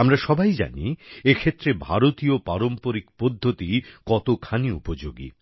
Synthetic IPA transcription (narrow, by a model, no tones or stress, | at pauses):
amɾaʃɔbajd͡ʑa̰nḭekʰet̪ːɾebʱaɾot̪iopaɾompoɾik̚pod̪ʱːot̪ikɔt̪okʰaniupod͡ʑoɡḭ